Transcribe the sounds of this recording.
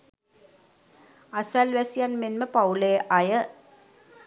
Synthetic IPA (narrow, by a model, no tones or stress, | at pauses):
asælʋæsijanmenməpauleːʔajə